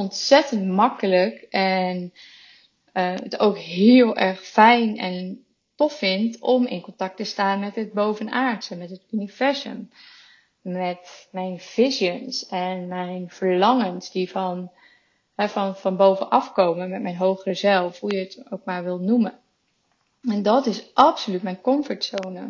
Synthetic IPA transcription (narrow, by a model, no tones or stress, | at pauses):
ɔntsɛtəntmɑkələkɛn | əətowkɦɪːlˠɛɹχfɛjnɛ̰n | tɔfːɪntɔmɪ̰nkɔntɑk̚təstaːnmɛtɦəd̚bowvənaːɹtsəmɛtɦətuniv̥ɛɹzə̰m | mɛtmɛjnv̥ɪʃjənsɛnmɛjnv̥əɹlɑŋənsdivɑn | ɦɛvɑnvɑnbowvənʔɑfkowməmɛt̚mɛjnɦowχrəzɛlˠfɦujəətowk̚maːɹʋɪlˠnumən | ɛndɑtɪsʔɑpsolytmɛjnkɔmfətsownə